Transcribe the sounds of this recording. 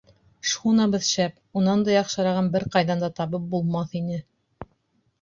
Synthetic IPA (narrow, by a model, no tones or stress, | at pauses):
ʃχunɑbɤðɕæp | unɑnd̪ɑjɑqʃɤ̆ɾɑʁɤnbɘɾqɑjðɑnd̪ɑt̪ɑβɤp̚bulˠmɑθinɘ